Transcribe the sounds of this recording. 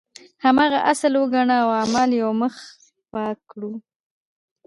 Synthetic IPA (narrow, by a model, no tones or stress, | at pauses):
hamɑɣaʔasəlwəɡaɳaːwamaljawməx | pɑkɽu